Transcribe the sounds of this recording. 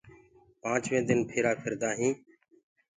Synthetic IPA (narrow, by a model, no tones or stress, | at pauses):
pãːt͡ʃʋẽːd̪ɪnpʰeːɾaːpʰɪɾd̪aːɦĩː